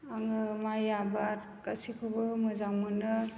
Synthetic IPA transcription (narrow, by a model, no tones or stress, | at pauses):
aŋɯmajabaɾ | kasikʰɯbɯmɯzawmɯnɯ